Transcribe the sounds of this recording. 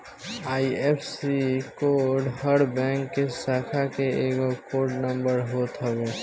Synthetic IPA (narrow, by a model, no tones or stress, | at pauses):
aːiepʰsikoɖɦəɾbɛ̃ŋkːesaːkʰakeeɡokoːɾɖnəmbəɾɦot̪ɦəɡe